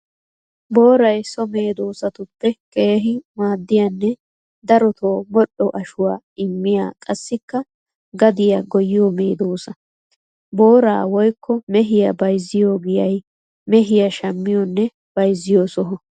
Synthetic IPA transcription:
bo̞ːɾɐjsɔme̞ːd̪oːsɐt̪ʊpːɛke̞ːɦɪmaːd̪ːɪjɐnːɛ | d̪ɐɾɔt̪ʰo̞ːmɔɗɔʔɐʃʊwa̰ː | ɪmːɪja̰ːkʼɐsːɪkːɐ | ɡɐd̪ɪjɐɡɔjɪjɔmeːd̪oːsɐ | bo̞ːɾa̰ːwɔjkʰːɔmɛɦɪjɐbɐjzːɪjoːɡɪjɐj | mɛɦɪjɐʃɐmːɪjɔnːɛ | b̥ɐjzːɪjoːsɔɦɔ

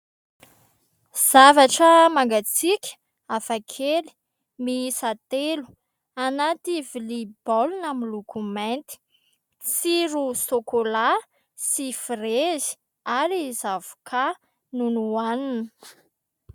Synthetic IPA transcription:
z̥avaʈ͡ʂəmaŋɡat͡sikʲə̥ | afakʰeli̥ | misat̪elu̥ | anat̪ivilibolunamilukument̪i̥ | siɾusokola | sifrezi̥ | aɾizavu̥kʰa | nunuaninə

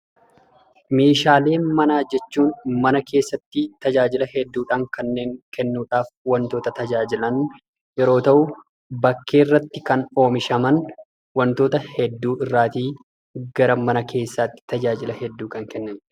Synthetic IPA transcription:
me̞ːʃaːle̞ːmɐnaːd͡ʒɛt͡ʃːuːnmɐnɐkʰe̞ːsːɐt̪ːɪt̪ɐd͡ʒaːd͡ʒɪlɐhɛd̪ːuːᶑaːŋkɐnːe̞ːŋkʰɛnːuːᶑaːfwɐnt̪o̞ːt̪ɐt̪ɐd͡ʒaːd͡ʒɪlɐn | jɛɾo̞ːt̪ɐʔʊ | bɐkʰːe̞ːrːɐt̪ːɪkɐno̞ːmɪʃɐmɐn | wɐnt̪o̞ːt̪ɐhɛd̪ːuːɪrːaːt̪iː | ɡɐɾɐmɐnɐkʰe̞ːsːaːt̪ːɪ̥t̪ɐd͡ʒaːd͡ʒɪlɐhɛd̪ːuːkɐŋkɛnːɐn

